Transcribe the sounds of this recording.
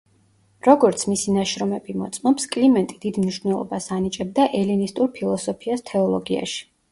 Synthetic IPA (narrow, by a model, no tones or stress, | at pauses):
ɾɔɡɔɾt̪sʰmisinaʃɾɔmɛbimɔt̪sʼmɔpskʼlimɛnt̪ʼid̪id̪mniʃvnɛlˠɔ̰basanit͡ʃʼɛb̚d̪aʔɛlinist̪ʼuɾpʰilˠɔsɔpʰiast̪ʰɛɔlˠɔɡia̰ʃi̥